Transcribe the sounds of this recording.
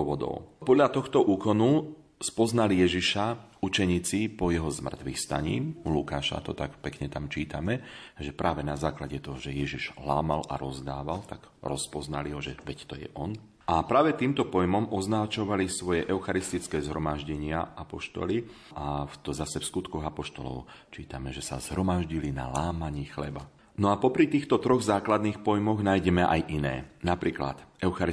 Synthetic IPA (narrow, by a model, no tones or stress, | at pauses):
ɔʋɔd̪ɔ̰ʊpɔd̪ʎat̪ɔxt̪ɔʔuːkɔnu | spɔznalijɛʒiʃa | ut͡ʃɛɲiːt͡sipɔjɛɦɔzmr̩t̪ʋixst̪a̰ɲḭːmlukaːʃa̰t̪ɔt̪akpɛkɲɛt̪amt͡ʃiːt̪amɛʒɛpɾʔaːʋɛnazaːklaɟɛt̪ɔɦɔʒɛjɛʒiʒlaːmalʔa̰ɾɔzd̪aːʋalt̪aɡ̥ | ɾɔspɔzna̰liɦɔʒɛʋɛct̪ɔjɛ̰ʔɔn | apɾaːʋɛt̪iːmt̪ɔpɔjmɔmɔznat͡ʃɔʋalisʋɔjɛʔɛʊxaɾist̪it͡skɛːzɦɾɔmaʒɟɛɲɪaʔapɔʃt̪ɔ̰li | ʔaft̪ɔzasɛfskut̪kɔɣapɔʃt̪ɔlɔ̰ʊ | t͡ʃiːt̪amɛʒɛsa̰zɦɾɔmaʒɟilina̰laːmaɲiːxlɛba̰ | nɔapɔpɾit̪iːxt̪ɔt̪ɾɔɣzaːklad̪niːxpɔjmɔɣnaːjɟɛmɛʔa̰jʔinɛ̰ːnapɾiːkla̰t̪ɛʊxaɾi